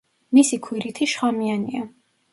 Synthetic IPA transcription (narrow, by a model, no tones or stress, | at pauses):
misikʰwiɾit̪ʰiʃχamiania